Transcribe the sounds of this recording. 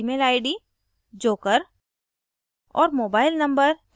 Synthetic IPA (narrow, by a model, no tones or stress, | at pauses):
meːlaːɪɖi | d͡ʒoːkəɾ | ɔ̰ːɾmoːbaːɪlnɐ̃mbəɾ